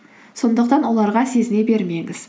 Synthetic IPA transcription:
so̞nd̪əq̚t̪ɑnwo̞lˠɑɾʁɑse̞zɪne̞be̞ɾme̞ŋɪz̥

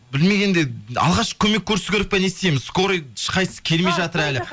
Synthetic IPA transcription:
bɪlme̞ɡʲe̞nd̪eɑ̰lˠʁɑʃə̥kʲʰɵme̞kʲʰːɵɾɪsɪɡʲeɾɪp̚penest̪emɪzsko̞ɾijʃə̥qʰɑjsə̥kʲʰe̞lme̞jʒɑt̪əɾælɪ

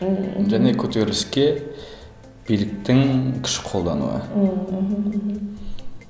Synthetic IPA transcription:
ʒæne̞kʲʰɵt̪eɾɪskʲe | b̥ijlɪk̚t̪ɪŋkʲʰɪ̥ʃɪ̥qʰo̞lˠd̪ɑnṵə̰ɦ

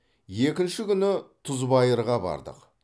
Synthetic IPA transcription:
je̞kʲɪnʃɪkʲʏnɪt̪ʰʊzbɑjəɾʁɑbɑ̰ɾd̪ə̰q

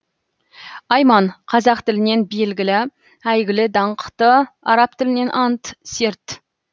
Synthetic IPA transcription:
ɑjmɑɴqʰɑzɑqt̪ɪlɪne̞nbe̞lɡʲɪlɪ | æjɡʲɪlɪd̪ɑɴqʰə̥t̪əɑ̰ɾɑp̚t̪ʰɪlɪne̞nʔɑnt̪se̞ɾt̪

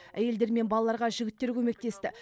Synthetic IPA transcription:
æ̰je̞ld̪e̞ɾme̞nbɑlˠɑlˠɑɾʁɑʒʏɡʲɪt̪ːe̞ɾkʲʰɵme̞k̚t̪e̞st̪ɪ

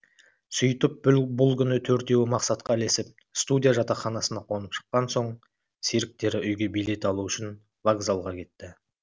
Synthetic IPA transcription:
sʊjt̪əp̚bbʊlˠkʲʏnɪt̪ʰɵɾt̪e̞wɪmɑqsɑt̪̚qɑle̞sɪp̚ | st̪ud̪ʲijaʒɑt̪ɑχɑnɑsənɑqʰo̞nəpʃə̥qːɑnso̞ɴ | seɾɪk̚t̪e̞ɾɪʔʏjɡʲe̞bijle̞t̪ɑlˠuʏʃɪn | vaɡzalˠʁɑkʲʰe̞t̪ːɪ

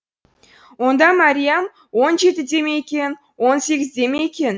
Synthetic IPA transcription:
wo̞nd̪ɑmaɾʲijam | wo̞nʒe̞t̪ɪd̪e̞mejekʲe̞n | wo̞nse̞ɡʲɪzd̪e̞mejekʲe̞n

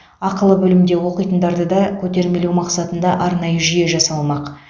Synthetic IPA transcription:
ɑqəlˠəbɵlɪmd̪e̞wo̞qijt̪ənd̪ɑɾd̪əd̪ɑkʲʰɵt̪e̞ɾme̞lewmɑqsɑt̪ənd̪ɑʔɑɾnɑjəʒyje̞ʒɑsɑlˠmɑq

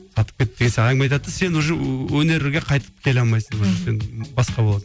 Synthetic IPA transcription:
sɑt̪əp̚kʲet̪ːd̪eɡʲenseæŋmɑjt̪̬ɑt̪ːəse̞nwoʒəwɵne̞ɾɪɡʲeqʰɑjt̪ə̥p̚kʲʰe̞lɑlˠmɑjsəɴwoʒəse̞nbɑsqɑbo̞lˠɑs

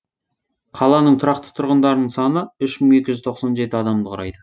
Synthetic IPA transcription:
qʰɑlˠɑnəɴt̪ʰʊɾɑqt̪ə̥t̪ʰʊɾʁənd̪ɑɾənəɴsɑnəʏʃməɴe̞kʲɪʒʏzt̪ʰo̞qsɑnʒe̞t̪ɪɑd̪ɑmd̪əqʰʊɾɑ̰jd̪ə

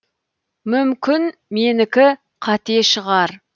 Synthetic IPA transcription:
mʏmkʲɪnmenɪkʲɪ | qʰɑt̪eʃəʁɑɾ

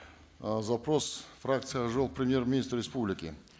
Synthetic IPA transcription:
zapɾo̞sfrakt̪sɨjəʐɨlˠpɾʲɪmʲjermʲɪnʲist̪rʲːɪspublʲɪkʲɪ

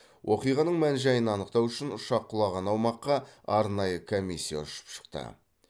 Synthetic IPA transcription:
wʔo̞qijʁɑnəɴmænʒɑjənɑnəqt̪ɑwʏʃɪnʊʃɑqʰːʊlˠɑʁɑnɑwmɑqːɑɑɾnɑjəkʰo̞mʲisʲːija̰ʊʃə̥pʃə̥qt̪ə̰

